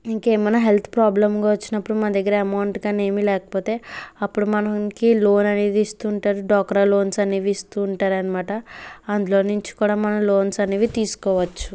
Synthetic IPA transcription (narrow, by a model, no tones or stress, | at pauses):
iŋkeːmɐnɐɦe̞lt̪ʰpɾaːblɐmɡaʋɐt͡ʃːinɐpːuɽumɐnɐd̪ɐɡːɐɾɐɐmɐwɳʈɡaːne̞ːmilɛːkɐ̥poːt̪e̞ːɐpːuɽumɐnɐŋkilo̞ːnɐneːd̪iːst̪uːɳʈaːɾuɖɔːkːɐɾɐlo̞ːnsɐniːʋiːst̪uːɳʈaːɾɐnɐmaːʈɐɐnd̪ulo̞ːnuɲt͡ʃi̥kuːɽaːmɐnɐmlo̞ːnsɐniːʋit̪iːsu̥kɔːʋɐt͡ʃːu̥